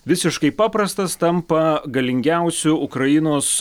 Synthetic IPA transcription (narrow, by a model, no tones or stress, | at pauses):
ʋʲɪsʲɪʃkɐɪpɑːpɾɐst̪ɐst̪ɐmpɐɡɐlʲɪŋʲɡʲæˑʊsʲʊʊkɾɐɪnoːs